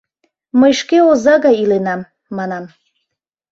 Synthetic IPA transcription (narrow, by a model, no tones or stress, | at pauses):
məjʃkeozɑɣɑjilenɑmː | ɑnɑm